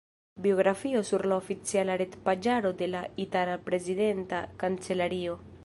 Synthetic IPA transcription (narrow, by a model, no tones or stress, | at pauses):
bio̞ɡɾafio̞suɾlaofit͡sialaɾe̞tpad͡ʒaɾo̞de̞laitalapɾe̞zide̞ntakant͡se̞laɾio̞